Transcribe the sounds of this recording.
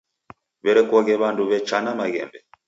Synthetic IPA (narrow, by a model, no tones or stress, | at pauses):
βɛɾɛkwɔɣɛβanduβɛt͡ʃanamaɣɛ̰mbɛ